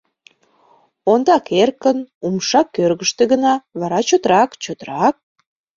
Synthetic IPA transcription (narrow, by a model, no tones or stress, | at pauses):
ond̪ɑkerkənumʃɑkːørɣəʃt̪eɣənɑβɑɾɑt͡ɕot̪ɾɑkt͡ɕot̪ɾɑk̚